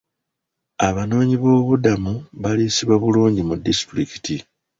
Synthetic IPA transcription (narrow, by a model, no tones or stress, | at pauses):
aβano̞ːɲiβo̞ːβudamuβalisiβwaβuluːɲɟimudːistɾiki̥ti